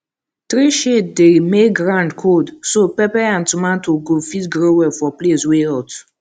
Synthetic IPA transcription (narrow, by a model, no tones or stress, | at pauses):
tɾiʃetdemeɡɾãndkʰodsopɛpɛãntumãntoɡofitɡɾewɛfɔplesweat